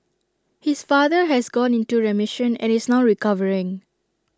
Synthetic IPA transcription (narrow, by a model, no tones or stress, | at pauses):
hisfaðəɦɛsɡɔ̃nĩntuɹɛmɪʃə̃nɛ̰̃nɪsnaʊɹikʌvəɹɪ̃ŋ